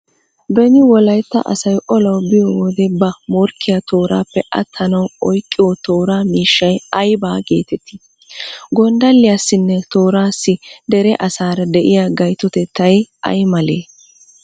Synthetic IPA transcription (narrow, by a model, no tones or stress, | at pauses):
bɛnɪwɔlɐjt̪ːɐ̰ʔɐ̰sɐjʔɔlɐwbɪjɔwɔd̪ɛbɐmɔɾkʰːɪjat̪o̞ːɾaːpːɛʔɐ̰t̪ʰːɐnɐwɔjkʼːɪjɔt̪o̞ːɾaːmiːʃːɐjɐjbaːɡe̞̰ːt̪ɛt̪ʰːɪ̥ | ɡɔnd̪ɐlːɪjɐsːɪnːɛt̪oːɾaːsːɪd̪ɛɾɛʔɐsaːɾɐd̪ɛʔɪjaɡɐjt̪ːɔt̪ɛt̪ːɐjʔɐ̰jmɐleː